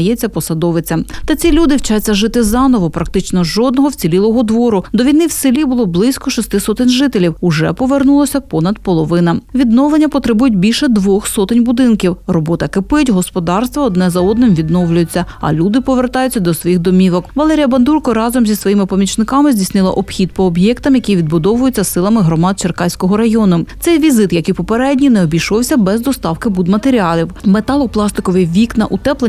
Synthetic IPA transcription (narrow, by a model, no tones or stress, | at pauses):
ɐjɛt͡sʲːɐpɔsɐd̪ɔʋɪt͡sʲɐmt̪ɐt͡sʲilʲud̪ɪwt͡ʃɑjt͡sʲːɐʒɪt̪ɪzɑnɔʋɔpɾɐk̚t̪ɪt͡ʃnɔʒɔd̪nɔɦɔwt͡sʲilʲilˠɔɦɔd̪ʋɔɾʊd̪ɔʋʲijnɪwsɪlʲibʊlˠɔblˠɪsʲkɔʃɔst̪ɪsɔt̪ɪnʲʒɪt̪elʲiwʊʒɛpɔʋernulˠɔsʲɐpɔnɐd̪̚pɔlˠɔʋɪnɐʋʲid̪nɔlˠenʲːɐpɔt̪ɾɪbujʊt̚ʲbʲilʲʃɛd̪ʋɔxsɔt̪ɪnʲbʊd̪ɪnkʲiwrɔbɔt̪ɐkɪpɪtʲɦɔspɔd̪ɑrst̪ʋɔɔd̪nɛzɐɔd̪̚nɪmʋʲid̪nɔwlʲʊjʊt͡sʲːɐɐ̰lʲud̪ɪpɔʋert̪ɑjʊt͡sʲːɐd̪ɔsʋɔjixd̪ɔmʲiʋɔkʋɐlˠɛɾʲijɐbɐnd̪urkɔɾɑzɔmzʲisʋɔjimɪpɔmʲit͡ʃnɪkɑmɪzʲdʲisʲnɪlˠɐ̰ʔɔb̥xʲid̪̚pɔːbjɛkt̪ɐmjɐkiʋʲid̪̚bʊd̪ɔʋʊjʊt͡sʲːɐsɪlˠɐmɪɦɾɔmɑd̪̚t͡ʃerkɑjsʲkɔɦɔɾɐjɔnʊt̪sɛjʋʲizɪt̪jɐkijpɔpeɾɛdʲnʲinɛɔbʲijʃɔwsʲɐbɛzd̪ɔst̪ɑwkɪbud̪mɐt̪eɾʲiɑlʲiwmet̪ɑlˠɔplˠɑst̪ɪkɔʋɪjʋʲiknɐ̰ʔut̪ɛplˠe